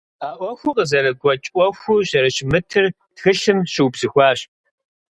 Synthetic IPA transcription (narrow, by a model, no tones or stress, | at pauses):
aːʔʷɔxʷʊqəzɐɾɐɡʷɔt͡ʃʼʔʷʼɔxʷuɕɐɾɐɕmɨtʰɨr | txɨɬɨmɕɨwbz̥ɨxʷɑːɕ